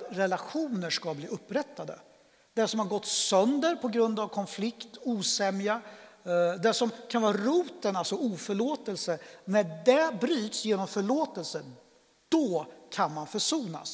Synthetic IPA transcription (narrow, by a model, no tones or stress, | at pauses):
ɾɛlaɧuːnəʂkabliːɵpːɾɛt̪ːad̪ə̰ | d̪ɛsɔmhaɾɡɔt̪ːsœnd̪əɾpʰɔɡɾɵnd̪avkʰɔnflɪkt̪uːsɛmja | d̪ɛʂɔmkʰanvɑːɾɾuːt̪ənalsɔuːfœɭoːt̪əlsənæɖɛbɾyːt̪sjeːnɔmfœɭoːt̪əlsə | d̪̥ɔkʰanmanfœʂuːna̰s